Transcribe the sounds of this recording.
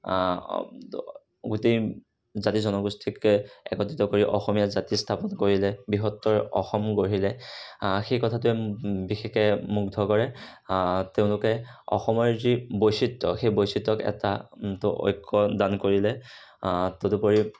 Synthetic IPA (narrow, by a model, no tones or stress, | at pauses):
ɡutej | zatizɔnɔɡustʰikɛ̰kɔtitɔkoɹiʔɔxɔmijazatistʰapɔnkoɹilɛbiɦɔtːɔɹɔ̰xɔmɡoɹilɛ | xejkɔtʰatʊɛbixɛkɛmuɡdʱɔkɔɹɛ | teʊ̃lʊkɛ | ɔ̰xɔmɔɹzibojsitːɔxejbojsitːɔkɛ̰tatʊʔɔ̰jkʰːɔdankoɹilɛ | totʊpoɹi